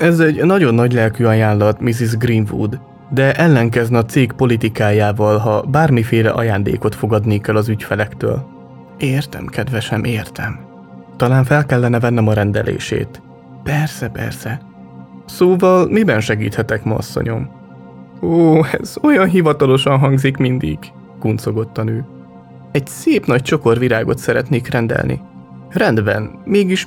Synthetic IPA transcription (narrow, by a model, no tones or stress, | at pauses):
ɛzɛɟnɒɟo̞nːɒɟlɛlkyɒjaːnlɒt̪mizizɡrinvṵd̪ | d̪ɛʔɛlːɛŋkɛznɛɒt̪seːkpo̞lit̪ikaːjaːvɒlɦɒbaːrmifeːlɛ̰ʔɒ̰jaːnd̪ḛːko̞t̪fo̞ɡɒd̪nikɛlɒzycfɛlɛkt̪ø̰ːl | eːrt̪ɛ̰mkɛd̪vɛʃɛmʔeːrt̪ɛm | t̪ɒlaːɱfɛlkɛlːɛnːɛvɛnːɛmɒɾɛnd̪ɛ̰lḛːʃḛːt̪ | pɛrsɛpɛ̰rsɛ | soːvɒlmibɛnʃɛɡiːt̪hɛt̪ɛkmɒ̰ːsːo̰ɲo̞m | oːɛ̰zo̞jɒnɦivɒt̪ɒlo̞ʃɒnɦɒŋɡzikmind̪ḭɡ̥ | kuːnt̪so̞ɡo̞t̪ːɒnøː | ɛɟseːpnɒc̚t͡ʃo̞ko̞rviɾaːɡo̞̰t̪sɛɾɛt̪neːkrɛnd̪ɛ̰lnḭ | rɛnd̪bɛ̰nmeːɡiʃ